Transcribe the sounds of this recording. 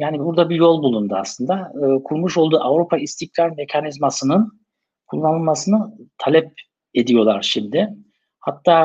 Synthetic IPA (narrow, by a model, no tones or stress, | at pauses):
jaːnibuɾd̪abijo̞lˠbulˠund̪ua̰slˠɯnd̪aːkʰuɾmuʃo̞lˠd̪uːʔavɾupʰaist̪ʰiclʲaɾme̞cʰanizmasɯnɯn | kʰulˠːanɯlˠmasɯnɯt̪ʰalʲɛp̚ | e̞d̪ijo̞lˠaɾʃimd̪ɪ | hat̪ʰːaː